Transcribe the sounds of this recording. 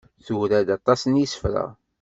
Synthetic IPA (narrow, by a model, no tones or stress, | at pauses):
θuhɾæd̪ɑt̪ˤɑsənjisə̥fɾə̰